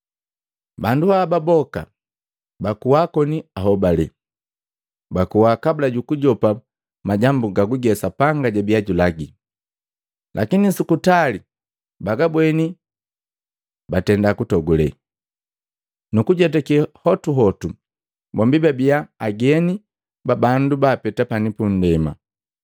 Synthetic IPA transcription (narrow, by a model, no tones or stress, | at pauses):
banduhababɔka̰ | bakuwaːkɔniaɦɔbalɛ̰ | bakuwakabulaɟukuɟɔpa | maɟambuɡaɡuɡɛsapaŋɡaɟabiaɟulaɡi | lʔakinisukutali | baɡabwɛni | batɛndakutɔɡulɛ̰ | nukuɟɛt̬akihɔtuɦɔtu | bɔmbibabiaːɡɛni | babandubaːpɛtapanipun̩dɛma̰